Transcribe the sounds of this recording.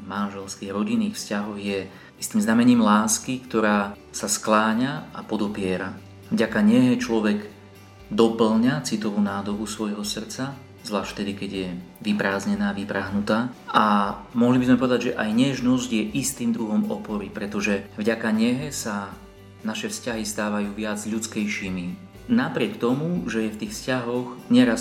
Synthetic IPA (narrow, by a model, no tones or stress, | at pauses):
manʒɛlskiːɣɾɔɟinːiːxfscaɦɔɣjɛ | ist̪iːmznamɛɲiːmlaːskikt̪ɔɾaːsasklaːɲaapɔd̪ɔpɪɛɾa | vɟakaɲɛɦɛt͡ʃlɔʋɛɡ | d̪ɔpl̩ɲat͡sit̪ɔʋuːnaːd̪ɔbusʋɔjɦɔsr̩t͡sa | zlaːʃft̪ɛd̪ikɛɟjɛʋipɾaːzɲɛnaːʋipɾaɦnut̪aːʔamɔɦlibizmɛpɔʋɛd̪aɟʒɛʔajɲɛʒnɔzɟjɛʔist̪iːmd̪ɾuɦɔmɔ̰pɔɾipɾɛt̪ɔʒɛvɟakaɲɛɦɛsa | naʃɛfscaɦist̪aːʋajuːʋɪad͡zʎut͡skɛjʃimi | napɾɪɛkt̪ɔmuʒɛjɛft̪iːxfscaɦɔɣɲɛɾas